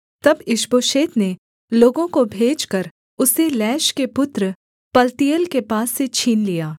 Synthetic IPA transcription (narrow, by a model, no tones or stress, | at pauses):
t̪ɐbɪʃboːʃeːt̪ne | loːɡõkobʱeːd͡ʒkɐɾ | ʊselɛːʃkepʊt̪ɾə | pɐlt̪ijəlkepaːsːet͡ʃʰiːnlijaː